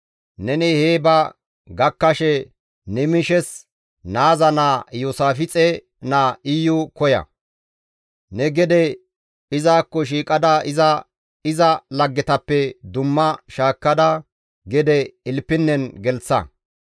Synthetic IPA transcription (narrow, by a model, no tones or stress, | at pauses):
nɛnɪheːbɐ | ɡɐkːɐʃɛ | nɛmɪʃɛs | naːzɐnaːjosaːfɪt͡sʼɛ | naːɪjʊkɔjɐ̰ | nɛɡɛd̪ɛ | ɪzaːkːɔʃ̬iːkʼɐd̪ɐɪzɐ | ɪzɐlɐɡːɛt̪ɐpːɛd̪ʊmːɐʃaːkːɐd̪ɐ | ɡɛd̪ɛɪlpːɪnːɛnɡɛlt͡sːɐ̰